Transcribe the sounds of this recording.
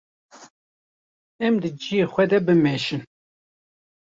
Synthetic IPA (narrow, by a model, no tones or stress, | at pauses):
ɛmd̪ɨd͡ʒijeːxʷɛd̪ɛbɨmɛʃɨn